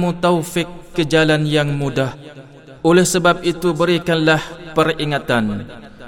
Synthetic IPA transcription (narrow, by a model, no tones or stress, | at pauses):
mut̪awfɪkːəd͡ʒalanjaŋmudah | ʔolɛhsəbap̚it̪ubəɾikanlahpəriŋat̪an